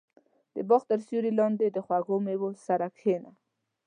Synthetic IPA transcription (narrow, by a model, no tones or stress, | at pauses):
d̪̥əbɑxt̪əɾsjuɾilɑnd̪ed̪əxwaɣomewosaɾakhena